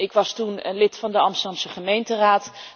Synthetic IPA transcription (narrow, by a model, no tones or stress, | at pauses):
ɪkʋɑstunənlɪtfɑndəɑmstədɑmsəχəmejntəraːt